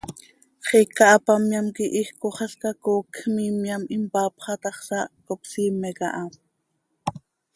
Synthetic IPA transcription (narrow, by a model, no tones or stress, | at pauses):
χikːɑʔɑpɑmjamkiʔihkoχɑskakoːkʰxmimjɑmimpɑːpχɑt̪ɑχsɑkopsiːmːɛkɑ̰ʔɑm